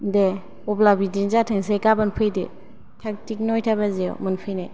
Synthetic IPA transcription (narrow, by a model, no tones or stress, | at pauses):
de | ɔblabidinzatʰɯŋs̬ekabɯnpʰɯjdḭ | tʰak̚tik̚nɔjtʰabazeɔ̰mɯnpʰɯjnaj